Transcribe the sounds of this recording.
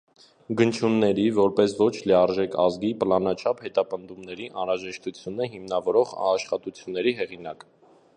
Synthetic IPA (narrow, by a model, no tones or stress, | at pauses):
ɡənt͡ʃʰunːɛɾivɔɾpɛsvɔt͡ʃʰliɑɾʒɛkɑzɡipəlɑnɑt͡ʃʰɑphɛt̪ɑpənd̪umnɛɾiʔɑnɾɑʒɛʃt̪ut͡sʰjunəɦimnɑvɔɾɔʁɑʃχɑt̪ut͡sʰjunːɛɾiɦɛʁinɑk